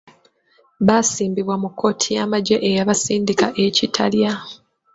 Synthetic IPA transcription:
βasiːmbiβwamukʰːo̞ːtʰijamaɟeʔejaβasiːndikaʔecitʰa̰lja

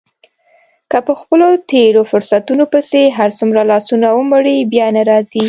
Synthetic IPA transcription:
kəpəxpəlot̪eɾofʊɾsat̪unopəseɦaɾt͡sumɾalɑsunawəmʊɽibjɑnaɾɑzi

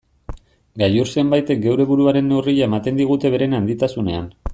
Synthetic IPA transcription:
ɡajuɾse̞mbajt̪e̞k̚ɡe̞wɾe̞βuɾuaɾe̞nːeuriʎae̞mat̪e̞nd̪iɣ̞ut̪e̞β̞e̞ɾe̞nand̪it̪asune̞an

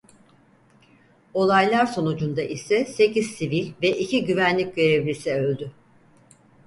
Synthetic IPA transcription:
o̞lˠajlˠaɾso̞nud͡ʒund̪aʔisɛse̞cʰiz̥sivilʲvɛʔicʰiɟyvænlʲic̚ɟø̞ɾevlʲisiølʲd̪y

